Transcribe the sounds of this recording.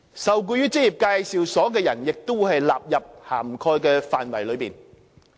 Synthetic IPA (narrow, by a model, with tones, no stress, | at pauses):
sɐ˨wk̬uː˧jyː˥t͡sɪ˥k̚jiː˨˩p̚kaː˧jsiː˨wsɔː˨˥k̬ɛː˧jɐ˨˩njɪ˨k̚t̪o˥wu˧˥hɐ˨jlaː˨p̚jɐ˨p̚ha̰ː˨˩mkʰɔː˧jkɛː˧faː˨nwɐ˨˩jlɵ˨˧ɥpiː˨˩n